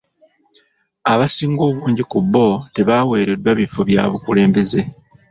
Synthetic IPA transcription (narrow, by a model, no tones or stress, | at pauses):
aβasiːŋɡo̞ːβuːɲɟikubːo̞te̞βaːwe̞ːɾe̞dwaβifo̞βja̰ːβukule̞ːmbe̞ze̞